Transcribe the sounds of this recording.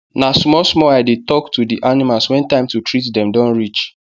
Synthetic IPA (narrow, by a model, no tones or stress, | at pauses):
nasmɔsmɔaɪdetɔktudiʔanimalswɛ̃ntãɪ̃mtutɹitdɛ̃mdɔ̃nɹit͡ʃ